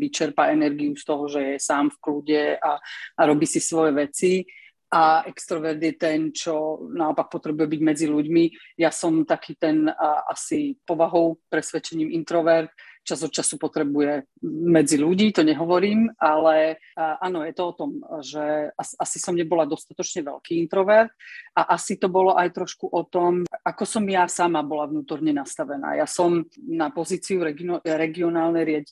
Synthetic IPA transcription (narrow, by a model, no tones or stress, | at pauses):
ʋit͡ʃɛɾpaɛnɛɾɡiust̪ɔɦɔʒɛjɛsaːmfkluɟɛaaɾɔbiːsisʋɔjɛʋɛt͡si | ʔaʔɛkst̪ɾɔʋɛɾd̪jɛt̪ɛnt͡ʃɔnaɔpak̚pɔt̪ɾɛbujɛbiɟmɛd͡ziluɟmi | jasɔmt̪akiːt̪ɛnʔa̰sipɔʋaɦɔʊpɾɛsʋɛt͡ʃɛɲiːmʔint̪ɾɔʋɛɾt̪̚t͡ʃazɔt̪t͡ʃasupɔt̪ɾɛbujɛ | mɛd͡ziluɟiːt̪ɔɲɛɦɔʋɔɾiːmalɛʔanɔjɛt̪ɔɔt̪ɔmʒɛasʔasisɔmɲɛbɔlad̪ɔst̪at̪ɔt͡ʃɲɛʋɛ̰lkiːint̪ɾɔʋɛɾt̪̚ʔaʔasit̪ɔbɔlɔʔajt̪ɾɔʃkuʔɔt̪ɔmakɔsɔmjasamabɔlavnuːt̪ɔɾɲɛnast̪aʋɛna̰ːjasɔmnapɔziːt͡siuɾɛɡiɾɛɡiɔnaːlnɛjɾɪaɟi